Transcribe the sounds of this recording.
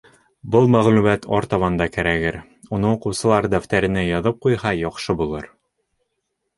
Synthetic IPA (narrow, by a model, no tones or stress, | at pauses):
bɤlˠmæʁlʉmæt̪ʰɒɾt̪ɑβɑnd̪ɑkæɾæɡɘɾ | unɤuqŭwsɤ̆lˠɑɾd̪æft̪æɾɘ̆nɘjɒðɤp̚qujhɑjɒqʃɤbulˠɤɾ